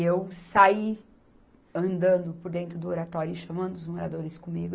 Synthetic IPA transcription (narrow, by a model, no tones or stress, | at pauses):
ewsai | ɐ̃nd̪ɐ̃nd̪ʊpoɾd̪ẽnt̪ɾʊd̪ʊoɾat̪ɔɾjʊʃɐmɐ̃nd̪ʊʊzmoɾad̪oɾɪskõmiɡʊ